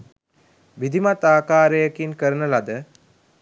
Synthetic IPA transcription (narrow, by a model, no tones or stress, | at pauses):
ʋid̪ʱimat̪aːkaːɾəjəkinkəɾənəlad̪ə